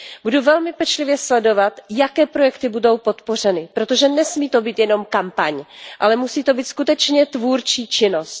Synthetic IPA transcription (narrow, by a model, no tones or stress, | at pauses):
buduvɛlmɪpɛt͡ʃlɪvjɛslɛdo̞vat̪jakɛːpɾo̞jɛkt̪ɪbudo̞wpo̞t̪po̞r̝ɛnɪpɾo̞t̪o̞ʒɛnɛsmiːt̪o̞biːt̪jɛno̞mkampaɲʔalɛmusiːt̪o̞biːt̪skut̪ɛt͡ʃɲɛt̪vuːɾt͡ʃiːt͡ʃɪno̞st̪